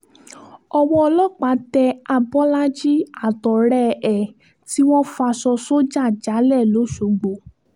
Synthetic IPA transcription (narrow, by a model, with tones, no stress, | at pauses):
ɔ˧wɔ˧ɔ˧lɔ˦k͡pa˨˦dɛ˧a˧bɔ˦la˦d͡ʒi˦a˦˨tɔ˨ɾɛ˦ɛ˨ | ti˦w̃ɔ̃˦fa˧sɔ˧so˦d͡ʒa˦˨d͡ʒa˨˦lɛ˦˨lo˨˦ʃo˨ɡ͡bo˨